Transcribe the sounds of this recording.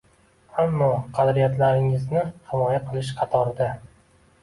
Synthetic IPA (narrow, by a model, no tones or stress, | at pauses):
amːɒqʰɑd̪ɾijat̪ʰlaɾɪŋɪznɪhɪmɒjaqʰɨlˠɪʃ̬qʰɑt̪ʰɒɾɪd̪a